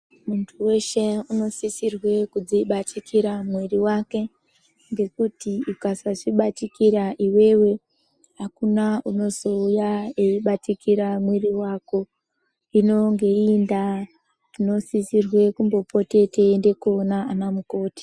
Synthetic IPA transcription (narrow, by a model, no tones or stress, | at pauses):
muntʰuwe̞ʃe̞uno̞sisirwe̞kud͡ziɓatʰikʰiɾamweriwake̞ | ŋɡe̞kutiukasaʐiɓatikiɾaʔiwe̞we̞ | ɦakunauno̞zo̞ujaeiɓatikiɾamweriwako̞ | ino̞ŋɡe̞inda | tino̞sisirwe̞kumbo̞pʰo̞te̞tʰeːnde̞koːnaːnamuko̞ːti̥